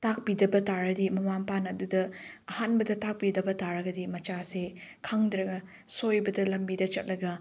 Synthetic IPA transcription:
tak̚pidɐbɐtaɾɐdimɐmampanɐdudɐɐhanbɐdɐtak̚pidɐbɐtaɾɐɡɐdimɐt͡ʃasekʰaŋdɾɐɡɐ | sojbɐdɐlɐmbidɐt͡ʃɐt̚lɐɡɐ

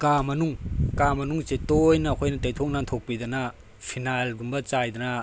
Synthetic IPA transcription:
kamɐnuŋkamɐnuŋt͡ʃetojnɐːkʰojnɐtajtʰɔk̚nantʰok̚pid̪ɐna | pʰinalɡumbɐt͡ʃajd̪ɐna

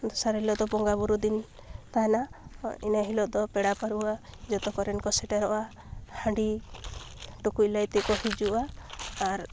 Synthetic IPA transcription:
d̪ɔsaɾɦilɔd̪ɔbɔŋɡabuɾud̪in | t̪ajnainaɦilɔd̪ɔpeɽapaɾuad͡ʒɔt̪ɔkɔɾɛnkɔseʈaɾɔʔa | haɳɖi | ʈukulajt̪ɛkɔhid͡ʒuʔaː | ɾ

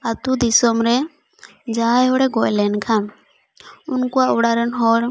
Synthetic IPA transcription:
at̪ud̪isɔmɾɛ | d͡ʒajɦɔɽɛɡɔʔlɛnkʰan | unkuaʔuɽaɾənɦɔɾ

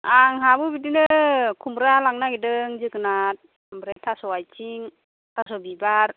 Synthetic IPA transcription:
aŋɦabɯbidinɯkʰumɾalaŋnaɡidɯŋzɯkɯnat̚ | mbɾetʰasɔajt͡ʃiŋ | tʰasɔbibaɾ

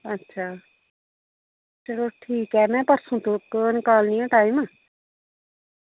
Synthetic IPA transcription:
ɐtːʃʰaː | sɐɾoːʈʰiːkɦɛːmɛ̃ːpəɾsʰũt̪oːkːnkaːlnijõʈaːim

